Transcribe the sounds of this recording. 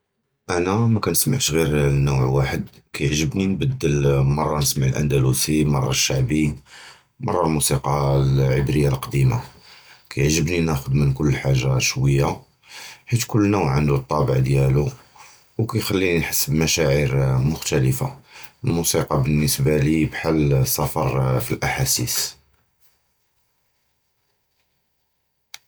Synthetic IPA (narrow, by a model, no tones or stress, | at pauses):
ʔænæmækænəsmaʕʃɣiɾnːuwʕwaħəd̪ | kæjəʕʒəbninbəd̪ːəlmɑrˤːɑnəsmaʕlʔæ̰nd̪ælusimɑ̰rˤːɑʃːaʕbi | mɑ̰rˤːɑlmusiqɑlʕəbɾəjːalqɑd̪imakæjəʕʒəbninæxʊd̪mənkʊlːəlħaʒːaʃwəjːa | ħit̪kʊlːnuwʕʕənd̪ut̪ˤːɑbəʕd̪jælu | wkæjxælːinħəsːəbmæʃæʕiɾmʊxt̪æləfa̰lmusiqɑbənːəsbalibħalːsːɑfɑɾˤfilʔaħasis